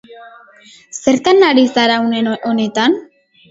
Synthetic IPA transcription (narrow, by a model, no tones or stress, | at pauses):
se̞ɾt̪anːaɾizaɾawneone̞t̪an